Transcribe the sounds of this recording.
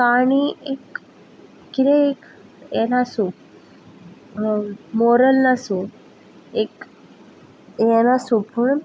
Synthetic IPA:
kaɽ̃iekː | it̪eek | enasu | moɾəlnasu | ek | enasupʰuɳ

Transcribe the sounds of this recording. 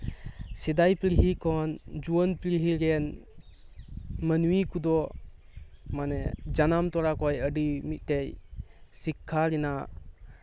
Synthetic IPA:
sid̪ajpɾiɦikʰɔnd͡ʒuənpɾiɦiɾen | mənuwikud̪ɔ | manɛd͡ʒanamt̪ɔɾakɔjəɖimit̪̚ˀtejsikʰːaɾina

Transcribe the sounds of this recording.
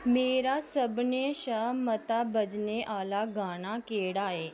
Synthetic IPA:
meːɾasəbneʃəːmːət̪abəd͡ʒneʔaːlaɡaːnakeːɽaːeː

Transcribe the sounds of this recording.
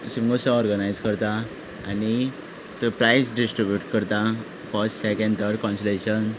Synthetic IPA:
simŋɡosɔ̃ɔɾɡənajd͡zkəɾt̪aː | ni | t̪əpɾajsɖisʈɾibjuʈkəɾt̪a | fəɾsʈsɛkẽɳɖt̪ʰəɾɖkɔ̃nsleɕən

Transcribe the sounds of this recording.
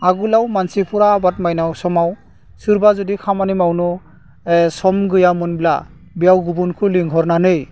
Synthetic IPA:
aɡulawmansipʰɔɾaːbatmajnawsɔmaw | sɯɾbazɔdikʰamanimawnɔ | esɔmɡɯjamɯnbila̰ | bijawɡubunkʰɯliŋɡʱɔɾnanɯj

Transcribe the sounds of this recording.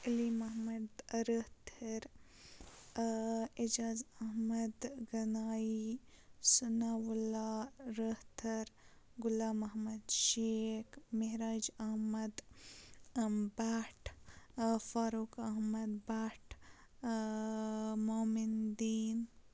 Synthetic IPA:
ɐlimɐɦmɐd̪ɾəht̪ʰɐɾ | id͡ʒaːzɐɦmɐd̪ɡɐnaːisunaʋulaɾəht̪ʰɐɾ | ɡʊlaːmɐɦmɐd̪ʃekmeɦɾaːd͡ʒɐhmɐd̪ | baːʈʰ | faːɾuːkɐɦmɐd̪baːʈʰ | moːmind̪iːn

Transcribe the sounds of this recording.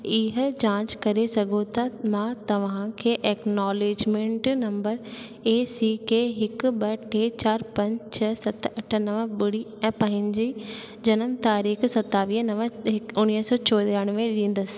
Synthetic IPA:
ɪɦt͡ɕãːt͡ʃkɐɾesɐɡʱot̪ʰamãːt̪ɐʋ̤ãkʰeːʔɛːknɔːleːd͡ʒmẽɳʈnɐ̃mbəɾ | eːsiːkeɦɪkbɐʈʰeːt͡ɕaːɾpɐ̃ɲd͡ʑt͡ʃʰɐsɐt̪ɐʈʰnɐʋəbɪɽi | ɛ̃ːpɐ̃ɦɪ̃ɲd͡ʑiː | d͡ʒɐnəmt̪aːɾiːxsɐt̪ːaːʋiːɦnɐʋəɪʊnːiɦsɔːt͡ɕɔːd̪aɽ̃ʋẽɗĩːn̆d̪əs

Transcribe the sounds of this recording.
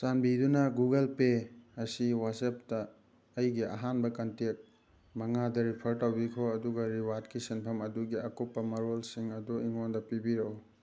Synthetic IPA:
sanbidunɐɡuɡɐlpeɐsiwaseptɐː | jɡiʔɐ̰ɦanbɐkɐntek̚ | mɐŋadɐɾipʰɐɾtɐwbikʰoɐduɡɐɾiwatkisinpʰɐmɐduɡiakupːɐmɐɾolsiŋɐduiŋondɐpibiɾɐw

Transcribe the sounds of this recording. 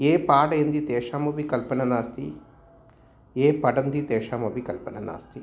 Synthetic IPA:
eːpaːɽɐjɐnd̪it̪ɛːʂaːmɐbikɐlpɐnɐnaːst̪i | eːpɐɖɐnd̪it̪ɛːʂaːmɐbikɐlpɐnɐna̰ːst̪i

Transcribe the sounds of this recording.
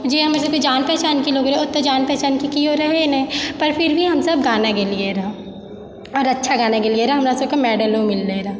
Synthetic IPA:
d͡ʒeːɦɐmɾs̬ɐb̚ked͡ʒaːnpɛːt͡ʃaːnkiloːɡɾeʊt̪ːod͡ʒaːnpɛːt͡ʃaːnkikioɾɐɦenẽpɐɾpʰɪɾbʱiɦɐmsɐbɡaːnakelieɾɐɦa | ɔːɾɐtːʃʰaɡaːnakelieɾaɦɐmɾasɐb̚komɛːɖəlõmɪlːeɾa

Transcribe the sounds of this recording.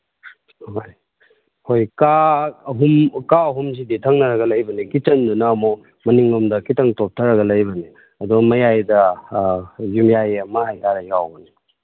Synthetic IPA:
ɦoj | hojkaɦumkaɐɦums̬iditʰɐŋnɐɾɐɡɐlɐjbɐnikit͡ʃɐndunɐːmo | mɐniŋumdɐkitɐŋtop̚tʰɐɾɐɡɐlɐjbɐni | ɐduɡɐmɐjajdɐ | jumjajɐmɐhajtʰaɾɐjawbɐni

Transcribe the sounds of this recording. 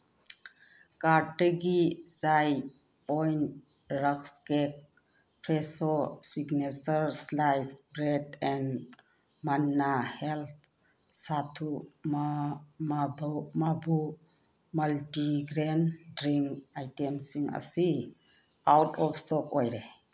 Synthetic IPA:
kaɾtəɡisaj | pɔjnt | ɾakskek̚ | pʰɾesosiɡnesəɾslajsbɾedɛn | manːahelt̪̚ʰ | satʰumamabmabu | maltiɡɾendɾiŋkajtemsiŋə̰si | awtʰɔpstɔkɔjɾe

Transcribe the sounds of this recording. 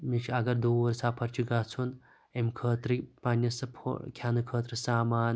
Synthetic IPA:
mit͡ʃʰɐɡɐɾd̪uːɐɾsaːpʰɐɾt͡ʃʰiɡat͡sʰun | emkʰɐːt̪ɾɨpanʲjɐsɐpʰkʲʰaːnɨkʰəːt̪ɾɨsaːmaːn

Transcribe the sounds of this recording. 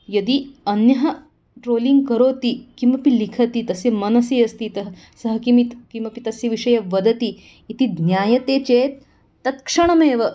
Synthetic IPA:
jɐd̪iɐnjɐɦɐ | ʈɾoːliŋɡ̚kɐɾoːt̪ikimʋɐpilikʰɐt̪it̪ɐsjɐmɐnɐsiːɐst̪it̪ɐɦ | sɐɦɐkimit̪kimʋɐpit̪ɐsjɐʋiʂɐjɐʋɐd̪ɐt̪iː | t̪id̪njaːjɐt̪eːt͡ʃeːt̪ː | ɐt̪kʂɐɳ̃ɐmeːʋɐ

